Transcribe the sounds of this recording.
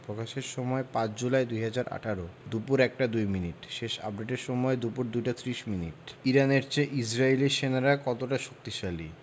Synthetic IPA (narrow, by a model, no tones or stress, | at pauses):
pɾokaʃeɾʃɔmɔepãt͡ɕd͡ʑulaed̪ujɦad͡ʑaɾʔa̰ʈʰaɾod̪upuɾɛk̚ʈad̪ujminiʈʃeʃa̰p̚ɖeʈeɾʃɔmɔed̪upuɾd̪ujʈat̪ɾiʃminiʈiɾaneɾt͡ɕeʔid͡ʑɾailiɾʃenaɾakɔt̪oʈaʃok̚t̪iʃali